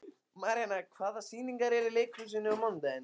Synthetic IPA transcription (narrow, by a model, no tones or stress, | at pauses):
maːɾanakʰvaːðasiːniŋkaɾɛɾɪleːjkʰus̬ɪnːɪamɔnt̪an